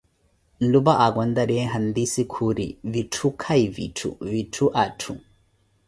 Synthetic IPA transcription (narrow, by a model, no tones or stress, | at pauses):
lubaʔaɡɔnd̪aɾɛɦand̪isikʰuɾḭvitʰukʰajvḭtʰṵvitʰuʔatʰu